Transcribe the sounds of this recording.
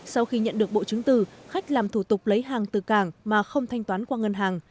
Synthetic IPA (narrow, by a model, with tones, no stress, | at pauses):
sa˧wxi˧ɲə̰˧˨nɗɨ˨˩ək̚ɓo̰˧˨t͡ɕɨ˨˦ŋt̪ɨ˨˩xa˦˥jk̟̚laː˨˩mt̪ʰu˧˩t̪ʊ˨˩k͡p̚lə˨˦jɦaː˨˩ŋt̪ɨ˨˩kaː˧˩ŋmaː˨˩xə˧wŋ͡mt̪ʰa˧jŋ̟t̪waː˨˦nkwaː˧ŋə˧nɦaː˨˩ŋ